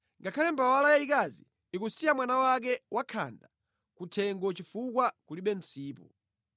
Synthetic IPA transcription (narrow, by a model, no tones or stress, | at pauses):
ŋɡakʰalɛmbawalajaikazi | ikusijamwanawak̬ɛwʔakʰa̰nda | kutʰɛŋɡɔt͡ʃifuk̬wakuliɓɛm̩siːpɔ̰